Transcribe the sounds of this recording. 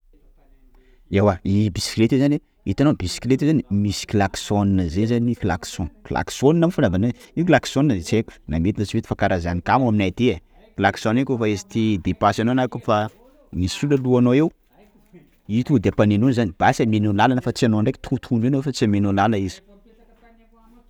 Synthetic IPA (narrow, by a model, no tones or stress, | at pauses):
ewaibisi̥klet̪ezane | it̪anobisi̥klet̪ezanimisi̥kilaksoninəzezaniklaksɔ̃kla̰ksoninamfanavanaikilaksonnəzet͡sekʲu̥na̰met̪inət͡ʃivet̪ifakaɾazanikamaminajt̪ea | klaki̥sõnekʲofaezi̥t̪id̪epasanoanakofa | misuləluanoew | it̪ud̪eapanenunizanib̥asamenonalanəfat͡sianoaɳɖ͡ʐekt̪ʰut̪ʰunenowfat͡siamenonaləizi̥